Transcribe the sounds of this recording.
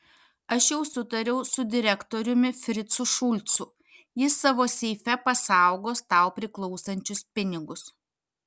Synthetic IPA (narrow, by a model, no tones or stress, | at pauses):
ɐʃjɛʊsʊt̪ɐɾʲɛʊsʊd̪ʲɪɾʲɛkt̪oːɾʲʊmʲɪfʲɾʲɪt̪sʊʃʊlʲt̪sʊ | jɪsːɑːʋoːsʲɛɪfʲɛpɐsɑˑʊɡoːst̪ɑˑʊpʲɾʲɪklˠɒʊsɐnʲt͡ʃʲʊspʲɪnʲɪɡʊs